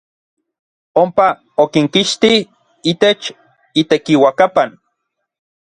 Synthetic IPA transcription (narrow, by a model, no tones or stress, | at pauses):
ompa | okiŋkiʃt̪ih | iːt̪et͡ʃ | it̪ekiwakapan